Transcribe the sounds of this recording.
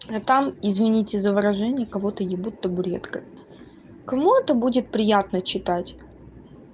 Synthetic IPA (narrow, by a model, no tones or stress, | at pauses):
ɐt̪amɪzvʲɪnʲitʲɪzəvəɾɐʐɛnʲɪjəkɐvo̞t̪əjɪbut̪ːəbʊɾʲḛt̪kəj | kɐmuɛt̪əbudʲɪt̪̚pɾʲɪjat̪nət͡ɕɪt̪atʲ